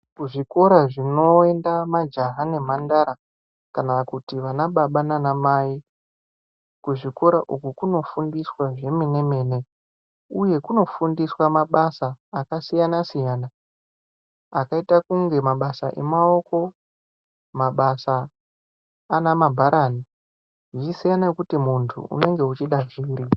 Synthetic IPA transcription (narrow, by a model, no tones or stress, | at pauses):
kuʐiko̞ɾaʐino̞e̞ndamad͡ʒaɦane̞mandaɾa | kanakutiʋanaɓaɓananamaːi | kuʐiko̞ɾaʔukukuno̞fundiswaʐe̞mene̞me̞ːne̞ | uje̞kuno̞fundiswamaɓasaːkasijanasijaːna | kaitakuŋɡe̞maɓasaʔe̞̰mao̞ko̞ | maɓasa | namabʱaɾaːni | ʐiisijanajokutimuntʰṵṵne̞ŋɡe̞ut͡ʃiɗaʐiːɾi